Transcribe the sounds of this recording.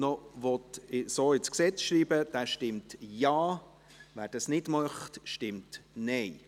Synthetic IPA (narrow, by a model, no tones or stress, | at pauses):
nɔʋɔt̪ɪsoːɪt͡sksɛt͡sʃɾiːbəd̥æːʃtɪmtjɑː | væːɾd̥ɑsnɪdmɑχtʃtɪmtnɛɪ